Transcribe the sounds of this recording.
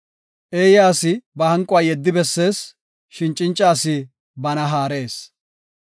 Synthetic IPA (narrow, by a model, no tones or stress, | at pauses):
ʔe̞ːjaːsɪbɐhɐŋkʼʊwaːjɛd̪ːɪbɛsːe̞ːs | ʃɪnt͡ʃʼːɪnt͡ʃʼːaːsɪ | bɐnɐɦaːɾe̞ːs